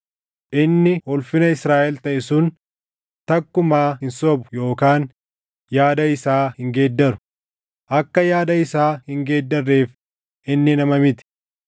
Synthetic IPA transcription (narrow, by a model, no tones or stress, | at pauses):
ʔɪnːɪhɔlfɪnɐɪsɾaːʔɛlt̪ɐʔɪsʊn | t̪ɐkːʊmaːɦɪnsɔbʊ̥jo̞ːkaːn | jaːd̪ɐɪsaːhɪŋɡe̞ːd̪ːɐɾʊ̥ | ʔɐkːɐjaːd̪ɐɪsaːhɪŋɡe̞ːd̪ːɐrːe̞ːf | ɪnːɪnɐmɐmɪt̪ɪ̥